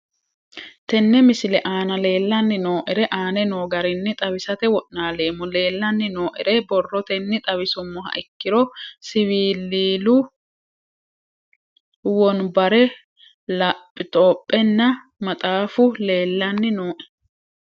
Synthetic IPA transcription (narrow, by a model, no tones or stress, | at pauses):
t̪ɛnːɛmɪsɪlɛʔaːnɐle̞ːlːɐnːɪnoːʔɪɾɛʔaːnɛnoːɡɐɾɪnːɪt̪ʼɐβɪsɐt̪ɛwɔʔnaːle̞ːmːʊle̞ːlːɐnːɪno̞ːʔɪ̰ɾɛbɔrːɔt̪ɛnːɪt̪ʼɐbɪsʊmːɔɐ̰ʔɪkːɪɾɔsɪwiːlːiːlʊ | wɔnbɐɾɛ | lɐpʼːɪt̪ʼɔːpʼːɛnːɐ | mɐt̪ʼaːfʊle̞ːlːɐnːɪnoːʔɛ̥